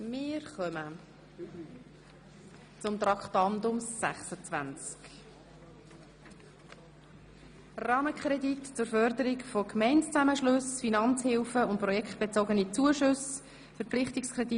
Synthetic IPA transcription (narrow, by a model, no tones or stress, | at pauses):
mɪɾχœmə | t͡sʊmt̪rɑkχtɑnd̪ʊmsæχsət͡svænt͡sk | rɑːməkʰχɾɛditt͡sʊɾfœɾd̪əɾikfokmɛɪntt͡sæməʃlɵsfinɑnt͡shɪlfəʊnt̚prɔjɛkχt̚b̥et͡sɔɡənit͡suəʃʊs | fəɾpp͡flɪχtikskʰɾɛdi